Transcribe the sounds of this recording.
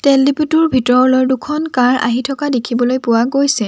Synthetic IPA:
tɛlːiputuɹbʱitɔɹlɔɹdukʰɔnkaɹa̰ɦitʰɔkadekʰibɔlojpʊwaɡojsɛ

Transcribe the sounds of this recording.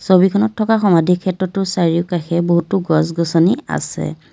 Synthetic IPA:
sobikʰɔnɔtʰːɔkaxɔmadʱikʰɛtɹɔtʊsaɹiʊkaxɛboɦutuɡɔsɡɔsɔnia̰sɛ̰

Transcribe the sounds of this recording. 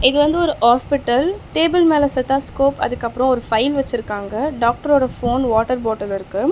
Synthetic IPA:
ɪðɯʋɐnd̪ɯɔɾɯhaːspɪʈːɐlʈeːbɪlmeːlɐsɐt̪aːskoːpɐ̰ðɯkːɐpːɯɾɔ̃ɔɾɯfɐɪlʋɐt͡ʃːɪɾɯkːaːŋɡɐɖaːk̚ʈɐɾoːɽɐfoːnʋaːʈɐɾboːʈɐlɪɾɯkːɯ

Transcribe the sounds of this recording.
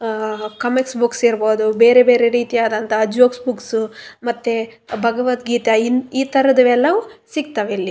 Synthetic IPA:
kɐmiksbuksiɾboːd̪ube̞ːɾebe̞ːɾeɾiːt̪iaːd̪ɐnt̪ɐːd͡ʒʋoːksbuksumɐt̪ːebʱɐɡɐʋɐt̪ɡiːt̪ɐiniːt̪ɐɾɐd̪ɐʋɛlːɐʋusiɡ̚t̪ɐʋeilːi

